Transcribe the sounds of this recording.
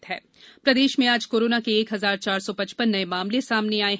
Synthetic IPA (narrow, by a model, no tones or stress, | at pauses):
t̪ɦɛː | pɾɐd̪eːʃmẽaːd͡ʒkoːɾoːnakeːkɦɐzaːɾt͡ʃaːɾsɔpɐ̃t͡ʃpənːɐemaːmlesaːmneaːe